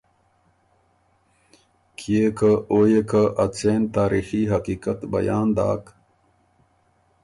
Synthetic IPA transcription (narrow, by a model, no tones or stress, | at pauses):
kʰiekaʔoːjekaʔɐt͡sent̪aːɾixiɦɐkiːkɐt̪bɐ̰jaːnd̪a̰ːk